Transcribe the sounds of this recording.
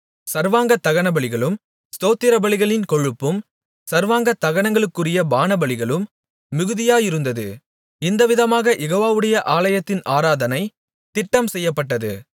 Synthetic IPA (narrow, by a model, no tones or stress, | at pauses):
sɐɾʋaːŋɡɐt̪ːɐɣɐɳɐbɐɭɪɣɐɭɯm | st̪oːt̪ːɪɾɐbɐɭɪɣɐɭɪnkɔɻɯpːɯm | sɐɾʋaːŋɡɐt̪ːɐɣɐɳɐŋɡɐɭɯkːɯrɪjɐbaːnɐbɐɭɪɣɐɭɯmː | ɪɣɯðɪjaːjɪɾɯnd̪ɐðɯ̰ | ɪnd̪ɐʋɪðɐmaːɣɐjɛɣoːʋaːʋɯɽɐjɐʔaːlɐjɐt̪ːɪnaːɾaːðɐnɐɪ | t̪ɪʈːɐmsɛjːɐpːɐʈːɐðɯ